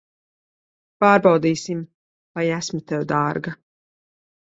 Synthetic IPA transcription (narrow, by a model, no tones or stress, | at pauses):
paːɾbɑwd̪iːsim | vajæsmit̪ɛwd̪aːɾɡa